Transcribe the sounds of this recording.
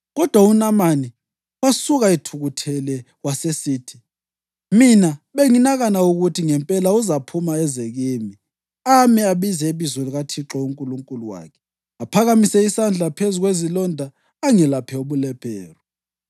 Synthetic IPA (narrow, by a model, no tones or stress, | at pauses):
ɣɔd̥ʱwaunamani | wasuɣaitʰuɣutʰɛlɛ | wasesiːtʰi̥ | minaɓeŋinaɣanauɣutʰiŋɛmpʼɛlauzapʰumaɛzeɣiːmi | amiaβizɛeβizɔliɣatʰiǁɔuŋkʼuluŋkʼuluwa̰ːkʰɛ̥ | apʰaɣamisɛisand͡ɮʱapʰezuɣwezilɔndʱaː | ŋɛlapʰɛoβulɛpʰɛːrɔ